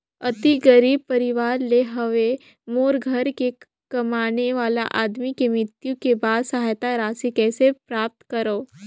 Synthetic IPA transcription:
ət̪iɡəɾiːb̚pəɾiʋaːɾleɦəʋe | moːɾɡʱəɾke | kəmañeʋaːla̰ʔad̪mikemɾɪt̪jukebaːd̪səɦajt̪aɾaːsikɛsepɾap̚t̪kəɾəː

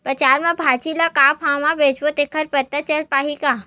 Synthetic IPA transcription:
pɐt͡ʃaːɾmẽbʱaːt͡ʃilakaːpʰãːmãbeːt͡ʃbot̪ekʰəɾpət̪ːat͡ʃəlpaːɦikaː

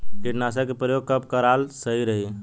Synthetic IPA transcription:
kiʈnas̬əkepɾəjoɡ̚kəp̚kəɾalsəiɾəɦi

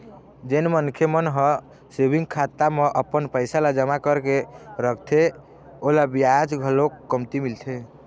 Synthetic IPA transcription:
d͡ʒenmənkʰjemənɦə̃ | sebʱiŋɡkʰat̪ːameʔəpənpəɪsalad͡ʒəmakəɾkeɾəkʰt̪ʰe | olabiad͡ʒɡʱəlokːəmt̪imilt̪ʰe

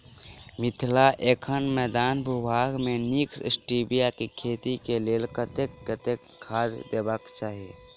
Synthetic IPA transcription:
mɪt̪ʰlaʔeːkʰənmɛːd̪aːnbʱubʱaːɡmẽniksɪ̰sʈiːbijakikʰeːt̪ikeleːlkət̪ekkət̪ekʰːaːd̪d̪eːbəkt͡ʃaːɦie

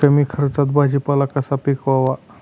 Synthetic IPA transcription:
əmiːkʰəɾt͡sat̪̚bad͡ʑipalakəsapikʋaʋa

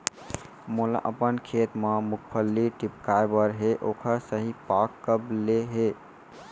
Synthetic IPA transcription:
mula̰ʔəpənkʰet̪memukʰpʰəlːiʈipkajbəɾɦeʔokʰəsəɦipakːəbleɦe

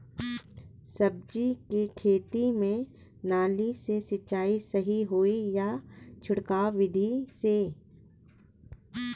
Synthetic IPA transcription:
sɐb̚d͡ʒikikʰeːt̪imẽ | naːlisesɪtːʃaːisɐɦiɦoːijat͡ʃʰʊɽkaːʋɪd̪ʱise

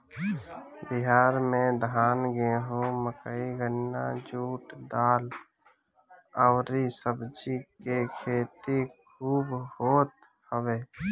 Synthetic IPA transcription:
bɪɦaːɾmẽd̪ʱaːnɡeɦõməkəiɡənːa̰d͡ʒuːʈd̪aːl | əʊɾisəbd͡ʒikekʰeːt̪ikʰuːbhoːt̪ | həweː

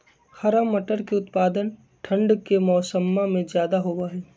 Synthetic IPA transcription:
xɐɾamːɐʈəɾkeʊt̪paːd̪ən | ʈʰə̃ɳɖkemɔːsəmːamẽzjaːd̪aɦoːʋaːɦeː

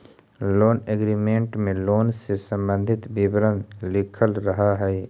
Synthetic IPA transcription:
loːneɡɾimẽːɳʈmẽloːnsesə̃mbə̃nd̪ʱɪt̪bɪbɾənlɪkʰəlɾəɦaɦɛː

